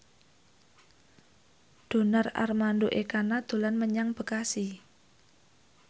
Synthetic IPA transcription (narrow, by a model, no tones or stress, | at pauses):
d̪̥o̤nara̰rmand̪oʔekanad̪̥o̤lanməɲaŋb̥ə̤kasi